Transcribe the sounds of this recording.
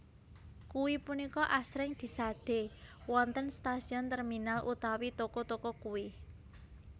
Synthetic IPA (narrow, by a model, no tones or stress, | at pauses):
kuwipunikɔʔasɾɪŋd̪̥i̤sad̪̥e̤wɔnt̪ənst̪asiɔnt̪ərminalʔṵt̪awit̪okɔt̪okɔkuwi